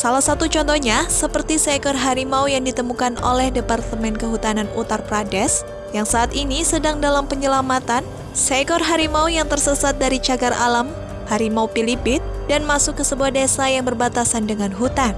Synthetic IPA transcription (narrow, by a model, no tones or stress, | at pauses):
salahsat̪ut͡ʃɔnt̪ɔhɲasəpərt̪isakɔrɦaɾimaujaŋdit̪əmukano̰lɛhdepart̪əmɛnkəɦut̪ananut̪arpɾadɛs | jaŋsaːt̪inisədaŋdalampəɲəlamat̪an | sakɔrɦaɾimaujaŋt̪ərsəsat̪̚daɾit͡ʃaɡara̰lam | haɾimaupilibɪt̪̚danmasʊkːəsəbuahdesajaŋbərbat̪asandəŋanɦut̪an